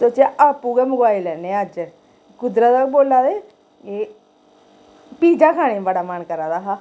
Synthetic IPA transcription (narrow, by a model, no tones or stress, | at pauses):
soːt͡ʃaʔaːpːuːɡɛːmʊɡaːɪlɛːneəd͡ʒə | kʊd̪ɾət̪akboːlaːd̪eː | e | piːd͡ʒaːkʰaːɽ̃eːbəɽaːmənkəɾaːd̪aːɦaː